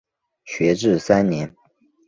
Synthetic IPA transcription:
ɕɥɛ˧˥ʈ͡ʂɻ̩˥˩sa˥nnjɛ˧˥n

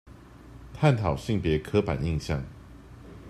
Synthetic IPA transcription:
t̪ʰa˥˨nt̪ʰɑ˨˩ʊɕi˥˨ŋpjɛ˨˦kʰɤ˦pa̰˨˩ni˥˧ŋɕjɑ̰˥˩ŋ

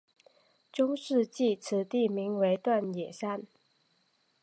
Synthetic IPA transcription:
ʈ͡ʂʊ˥ŋʂɻ̩˥˧t͡ɕi˥˩˨t͡s̩ʰ˨˥t̪i˥˨mi˧˥ŋwe˧˥ɪt̪wa˥˨njɛ˨˩ʂa˥˨n

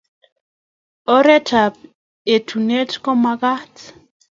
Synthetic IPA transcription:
ɔ˦ɾɛ˦ta˨p̚ | e˨tʰu˨ne˦tkɔ˦ma˨ɣa˦t

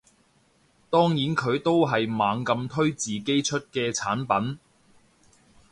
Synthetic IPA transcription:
t̪ɔː˥ŋjiː˨˥nkʰɵ˨˧ɥt̪o˥wɦɐ˨jmaː˨˧ŋkɐ˧mt̪ʰɵ˥ɥt͡siː˨ke˥jt͡ʃʰɵ˥t̚kɛː˧t͡sʰaː˨˥npɐ˨˥n

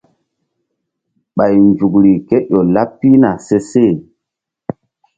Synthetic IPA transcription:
ɓa˨jnd͡ʒu˨kɾi˨ke˦ɗo˨la˦pːi˦na˨se˦se˦˨

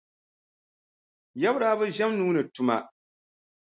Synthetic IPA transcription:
jɛ˦bɾaː˨˦bɨ˦ʒɛ˦mnuː˦nɨ˨tʊ˦ma̰˦

